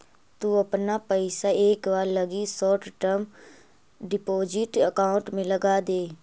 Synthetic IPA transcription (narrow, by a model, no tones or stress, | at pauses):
t̪uɐpnapəɪsaeːkʋaːɾlɐɡisɔːʈʈəm | ɖɪpoːd͡ʒɪʈəkaːʊ̃ɳʈmẽlɐɡaːd̪eː